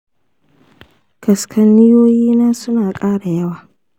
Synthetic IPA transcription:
kɐ˨skʰɐ˦nːɪ˦joː˦jiː˦naː˦sʊ˦naː˨kʼaː˦ɽa˨jɐ˦waː˨

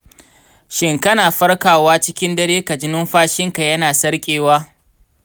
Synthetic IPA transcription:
ʃɪ˨ŋkɐ˦naː˨ɸɐ˦rkaː˨waː˦t͡ʃɪ˦kʲɪ˦ndɐ˦ɽeː˦kɐ˨d͡ʒɪ˦nʊ˦mɸaː˦ʃɪ˦ŋka˨jɐ˦naː˨sɐ˦ɽkʲʼeː˨waː˦

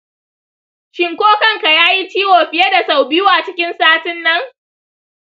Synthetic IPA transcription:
ʃɪ˨ŋkʷoː˦kɐ˦ŋka˨jaː˦ji˦t͡ʃiː˦woː˨ɸɪ˦je˦da˨sa˨wbɪ˦waː˨t͡ʃɪ˦kʲɪ˦nsaː˦tɪ˦nːɐ˦ŋ

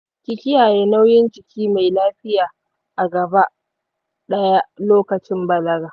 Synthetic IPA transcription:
kʲɪ˨kʲɪ˦jaː˨jeː˦na˦wjɪ˦nt͡ʃɪ˨kʲiː˦ma˨jlaː˦ɸɪ˦jaː˨ | ʔa˨ɡɐ˨ba˦ʔ | ɗɐ˦ja˦ʔloː˦kɐ˨t͡ʃɪ˦mbɐ˨lɐ˦ɡaː˨

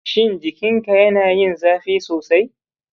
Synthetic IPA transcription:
ʃɪ˦˨nd͡ʒɪ˨kʲɪ˦ŋka˨jɐ˦naː˨jɪ˦˨nzaː˦ɸiː˦soː˨sa˦j

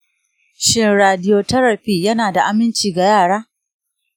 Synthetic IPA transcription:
ʃɪ˦nɾaː˨dɪ˦joː˦tɐ˦ɾɐ˨ɸiː˦jɐ˦naː˨da˨ʔa˨mɪ˦nt͡ʃiː˨ɡa˨jaː˦˨ɽaː˦

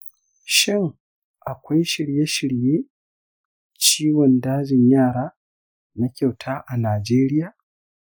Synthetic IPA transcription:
ʃɪ˦ŋ | ʔa˨kʷa˦jʃɪ˨ɽje˦ʃɪ˨ɽjeː˦ | t͡ʃiː˦wɔ˨ndaː˦d͡ʒɪ˨ɲjaː˦˨ɽaː˦ | na˦kʲa˨wtʰaː˦ʔa˨naː˨d͡ʒeː˦ɾɪ˦jaː˨

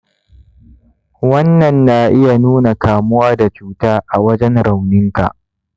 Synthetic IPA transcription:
wɐ˦nːɐ˨nːa˨ʔɪ˦ja˨nuː˦na˨kaː˨mʊ˦waː˦da˨t͡ʃuː˦taː˦ʔa˨wɐ˦d͡ʒɛ˦nɽa˨wnɪ˦ŋka̰˨ʔ

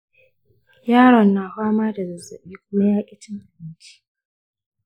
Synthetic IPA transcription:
jaː˦ɽɔ˨nːaː˨hʷaː˦maː˦da˨zɐ˨zɐ̰˨ɓiː˦kʷʊ˦ma˦jaː˦kʲʼɪ˦t͡ʃɪ˦ŋʔa˨bɪ˦nt͡ʃi̥˦

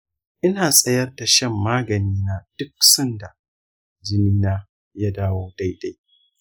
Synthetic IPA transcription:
ʔɪ˦naː˨sʼɐ˦jɐ˦rda˨ʃɐ˦˨mːaː˦ɡɐ˨niː˦naː˦d̥ʊ˦k̚sɐ˦nda˨ | d͡ʒɪ˦niː˦naː˦ | ja˦daː˦woː˦da˦jda˦j

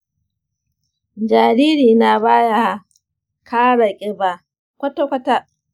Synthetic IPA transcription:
d͡ʒaː˨ɾiː˦ɾiː˨na˨baː˦ja˦˨ | kʰaː˦ɽa˨kʲʼɪ˦ba˨ | kʷɐ˦to˦kʷɐ˦ta˦

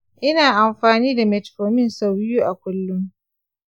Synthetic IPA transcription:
ʔɪ˦naː˨ʔa˨mɸaː˨niː˦da˨mɛ˨tfoː˨mɪ˦nsa˦wbɪ˦juː˦ʔa˨kʷʊ˦lːʊ˦m

